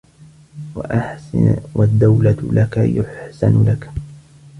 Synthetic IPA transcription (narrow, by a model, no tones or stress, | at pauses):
waʔaħwad̪ːawlalaka̰jʊħsa̰nlak